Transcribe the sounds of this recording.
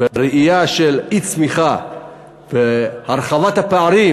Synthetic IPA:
eɾeʔijaʃelit͡smiχa | vehaɾχavat̪hapeaɾi

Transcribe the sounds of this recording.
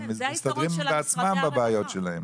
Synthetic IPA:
mɪɪstadʁɪbmbɪat͡smambabaajɔtʃɛlɛm

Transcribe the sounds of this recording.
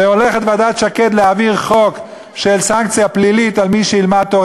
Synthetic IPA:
eole̞χet̪vadat̪ʃake̞d̪leaviʁχo̞k | ʃelsaŋkt͡sjaplilitalmiʃeilmat̪ːoʁ

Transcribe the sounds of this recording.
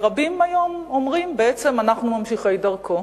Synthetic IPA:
ʁabimajo̞momʁimbeet͡se̞manaχnumamʃiχejdɐʁkʰo̞

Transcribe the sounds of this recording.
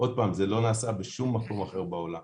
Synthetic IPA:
ʔo̞d̪̚paːmzelo̞naːsabeʃumːako̞maχe̞ʁbao̞lam

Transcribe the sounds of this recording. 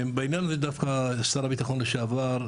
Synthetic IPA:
beinjanved̪afkast̪aɾabit̪aχonleʃavaɾ

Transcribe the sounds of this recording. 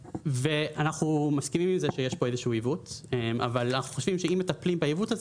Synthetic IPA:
veanaχnumaskimimimzeʃejeʃboezeʃuuivutema̰valanaχuχo̞ʃv̥imʃeimːet̪aplimbaivutaz

